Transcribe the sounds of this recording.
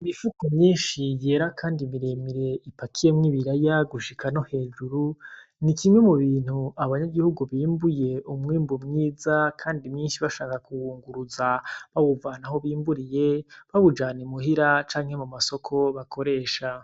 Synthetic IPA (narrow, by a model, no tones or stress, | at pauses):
imifukomɲiːnʃije̞ːɾakʰaːndimiɾe̞miɾe̞ipakʰije̞mŋiβiɾajaɡuʃikʰano̞he̞ːd͡ʒuɾunikimŋwemuβiːn̥huaβaɲaɡihuɡuβiːmbuje̞umŋiːmbumŋiːzakʰaːndimɲiːnʃiβaʃaːkakuwuːŋɡuɾuzaβaβuvaːnaɦo̞βiːmbuɾije̞βaβud͡ʒaːnemuɦiɾat͡ʃaːŋhe̞mumaso̞kʰo̞βakʰo̞ɾe̞ːʃa